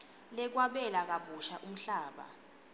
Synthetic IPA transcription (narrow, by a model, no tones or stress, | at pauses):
lɛk̬waɓɛlak̬aɓuʃaʔum̩ɬaːɓa̰